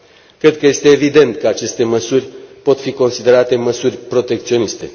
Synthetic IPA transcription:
kɾe̞d̪̚kəje̞st̪e̞ːvid̪e̞nt̪kəat͡ʃe̞st̪e̞məsurʲpot̪fiko̞nsid̪e̞ɾat̪e̞məsurʲpɾo̞t̪e̞kt̪sio̞nist̪e̞

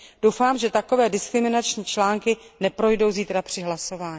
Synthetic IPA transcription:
d̥owfaːmʒɛt̪ako̞vɛːdɪskɾɪmɪnat͡ʃɲiːt͡ʃlaːŋkɪnɛpɾo̞jdo̞wziːt̪ɾapr̝̥ɪɦlaso̞vaːɲ

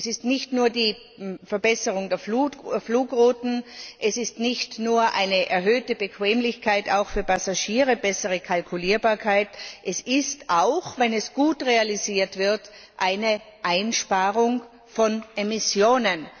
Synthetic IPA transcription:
sɪstnɪçtnuːɐdiː | fɛɐbɛsəʁʊŋdɛːɐfuːfluːkʁuːtn̩ʔɛsɪstnɪçtnuːɐʔa̰ɪnəʔɛɐɦøːtəbəkv̥ɛːmlɪçkʰaɪtaʊxfyːɐpʰasaʃiːʁəbɛsəʁəkʰalkʰuliːɐbaːɐkʰaɪtʔɛsɪstʔaʊxvɛnɛsɡ̥uːtʁealiziːɐtv̥ɪɐt | ʔaɪnə | ʔaɪnʃpaːʁʊŋ | fɔnʔemɪsjoːnən

